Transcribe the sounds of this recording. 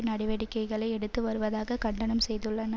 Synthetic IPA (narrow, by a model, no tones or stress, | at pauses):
nɐɽɪʋɐɽɪkːɐɪɣɐɭɐɪɛɽɯt̪ːɯʋɐɾɯʋɐðaːɣɐkɐɳɖɐnɐmsɛjðɯɭːɐnɐ